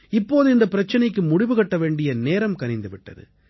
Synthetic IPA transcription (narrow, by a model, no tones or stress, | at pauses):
ɪpːoːðɯɪnd̪ɐpɪɾɐt͡ʃːɐnɐɪkːɯmʊɽɪʋɯɣɐʈːɐʋeːɳɖɪjɐneːɾɐmkɐɾɪnd̪ɯʋɪʈːɐ̰ðɯ̰